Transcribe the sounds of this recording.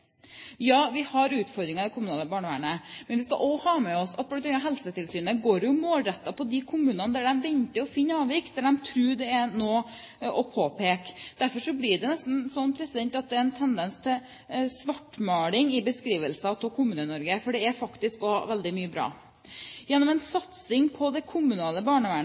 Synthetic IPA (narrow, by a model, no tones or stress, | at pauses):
jɑːʋɪhɑɾʉːt̪fɔɾd̪ɾɪŋɑd̪ɛkʰʊmʉnɑːləbɑːɳəʋæ̰ːɳəmɛnʋɪskɑ̰ʔohɑːmɛɔsɑt̪̚bɔlɑnːɑɦɛlsət̪ʰɪlsyːnəɡoːɾjʊmoːlɾɛt̪ːɑpʰɔd̪ɪkʰʊmʉːnɑnəd̪æɖɛmʋɛnt̪ɪɔfɪnːəɑːʋɪk̪̚d̪æɖɛmt̪ʰɾʉːɖɛænoːɔpʰoːpʰeːkd̪̥æɾfɔʂɔblɪɖɛnɛst̪n̩sɔnːpʰɾɛsɪd̪ɛnt̪ɑt̪̚d̪ɛæɾɛnt̪ʰɛnd̪ɛnst̪ʰɪl | sʋɑʈːmɑːlɪŋɪbəskɾiːʋəlsɑt̪ʰɔlkʰʊmʉːnənɔɾɡəfɔɖɛæɾfɑkt̪ɪskɔhɑʋɛld̪ɪmyːəbɾɑ̰ː | jɛnːɔmɛnsɑt̪sɪŋpʰɔd̪ɛkʰʊmʉnɑːləbɑːɳəʋæːɳ